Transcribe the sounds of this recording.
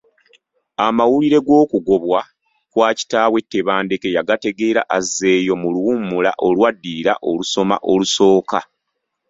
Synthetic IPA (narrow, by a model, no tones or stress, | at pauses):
amawuliɾe̞ɡo̞ːkuɡo̞βwa | kwaːci̥taːwe̞tːe̞βaːnde̞ke̞jaɡate̞ɡe̞ːɾaʔazːe̞ːjo̞muluwumula̰ʔo̞lwadːiɾa̰ʔo̞luso̞ma̰ʔo̞luso̞ːka